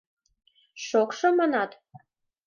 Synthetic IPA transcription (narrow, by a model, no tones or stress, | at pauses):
ʃokʃomɑnɑt̪